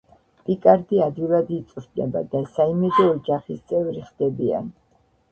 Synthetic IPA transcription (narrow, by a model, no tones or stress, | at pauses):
pʼikʼaɾd̪iad̪vilˠad̪it̪sʼɾd̪nɛ̰ba̰d̪asaimɛd̪ɔːd͡ʒaχist̪sʼɛvɾiχd̪̥ɛbia̰n